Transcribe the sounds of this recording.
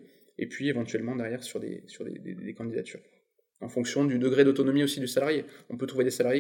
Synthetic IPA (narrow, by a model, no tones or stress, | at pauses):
ḛpɥievɑ̃t̪ɥɛlmɑ̃d̪ɛʁjɛʁsyʁd̪ḛsyʁd̪ḛd̪ḛd̪ekɑ̃d̪id̪a̰t̪ʰyːʁ | ɑ̃fɔ̃ksjɔ̃d̪yd̪əɡʁed̪ot̪ɔnɔmiosid̪ysalaʁjeɔ̃pøt̪χuved̪esalaʁje